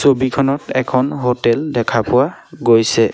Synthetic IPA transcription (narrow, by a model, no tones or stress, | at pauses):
sobikʰɔnɔtɛkʰɔnɦotɛldɛkʰapʊwaɡojsɛ